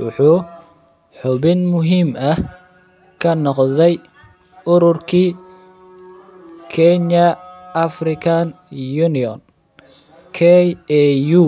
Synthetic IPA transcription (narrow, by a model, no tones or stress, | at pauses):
wʊ̰ħuː | ħʊβɪnmʊɦiːmɐ | kʰɐnɔqðɛj | ʊɾʊrkʰiː | kʰɛnjɐɐfrɪkʰan | junɪɔn | kʰɛɛju